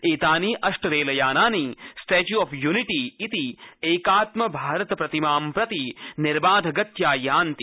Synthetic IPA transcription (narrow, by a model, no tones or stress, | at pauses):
eːt̪aːniːʔɐʂʈɐɾeːlɐjaːnaːnisʈeːt͡ʃjuɔfjuːniʈiːt̪ieːkaːt̪mɐbʱaːɾɐt̪ɐpɾɐt̪imaːmpɾɐt̪iniɾbaːd̪ʱɐɡɐt̪jaːjaːnt̪i